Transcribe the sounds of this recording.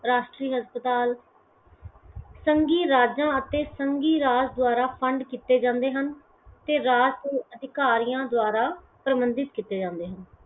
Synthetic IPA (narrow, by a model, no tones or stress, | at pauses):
ɾaːʃʈɾiːɦəspət̪aːl | səŋɡiːɾaːd͡ʒãːət̪eːsəŋɡiːɾaːd͡ʒd̪ʊaːɾaːpʰəɳɖkiːt̪eːd͡ʒãːnd̪eːɦən | t̪eːɾaːd͡ʒeːəd̪ʱɪkaːɾijãːd̪ʊaːɾaː | pɾəmənd̪ɪt̪kiːt̪ːeːd͡ʒãːnd̪eːɦən